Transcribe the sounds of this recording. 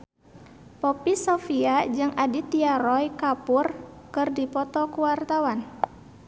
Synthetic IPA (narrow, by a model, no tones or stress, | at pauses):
pɔpisofiad͡ʒɨŋʔadit̪iaɾɔjkapʊrkɨrdipɔt̪ɔkuwart̪awan